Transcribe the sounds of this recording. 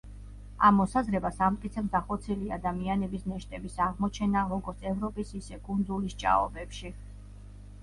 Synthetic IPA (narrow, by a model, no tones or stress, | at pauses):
a̰mːɔsazɾɛbasamt̪ʼkʼit̪ʰɛbsd̪aχɔt̪sʰiliad̪amianɛbisnɛʃt̪ʼɛbisaʁmɔt͡ʃʰɛnaɔɡɔɾt̪sʰɛvɾɔpʼisisɛkʼund̪zulist͡ʃʼa̰ɔ̰bɛpʃi